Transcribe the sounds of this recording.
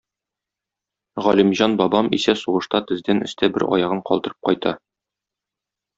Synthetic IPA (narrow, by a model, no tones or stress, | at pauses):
ʁɒlimʑɑnbɒbɑmḭsæsuʁɤ̆ʃt̪ɑt̪ɘ̆zd̪ænɘ̆st̪æbɘ̰ɾɒ̰jɑʁɤɴqɒ̰lˠd̪ɤ̆ɾɤ̥p̚qɒjt̪ɑ